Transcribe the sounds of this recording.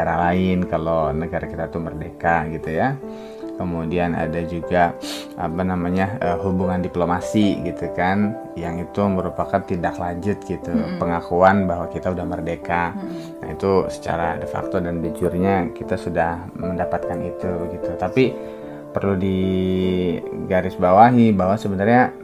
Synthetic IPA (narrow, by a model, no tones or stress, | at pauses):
aɾalaɪnkalonəɡaɾakit̪at̪umərdekaɡit̪uja | kəmudiana̰dad͡ʒuɡa | apanamaɲaəɦubuŋandiplomasiɡit̪ukan | jaŋit̪uməɾupakant̪idaklad͡ʒʊt̪̚ɡit̪upəŋakuanbaɦwakit̪audahbərdeka | a̰ḭt̪usə̥t͡ʃa̰ɾa̰dəfa̰k̚t̪odanbit͡ʃʊrɲakit̪asudah | məndapat̪̚kanit̪uɡit̪ut̪api | pərludi | ɡaɾɪsbawaɦibawasəbənarɲa